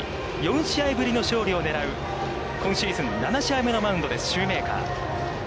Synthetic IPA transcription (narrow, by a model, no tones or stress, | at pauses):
jõ̞ɰ̃ɕiaibɯ̟ɾʲino̞ɕo̞ːɾʲio̞ne̞ɾaɯ̟ | kõ̞ɰ̃ɕiːzɨ̃nnːanaɕiaime̞no̞maɯ̃nd̪o̞d̪e̞sɨ̥ɕɨːme̞ːka̰ː